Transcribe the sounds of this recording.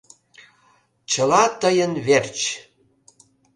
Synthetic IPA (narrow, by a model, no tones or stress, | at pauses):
t͡ɕəlɑt̪əjənβert͡ɕ